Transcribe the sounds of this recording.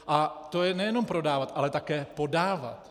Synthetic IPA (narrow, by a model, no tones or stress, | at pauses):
ʔat̪ojɛnɛjɛno̞mpɾo̞daːvat̪ʔalɛt̪akɛːpo̞daːva̰t̪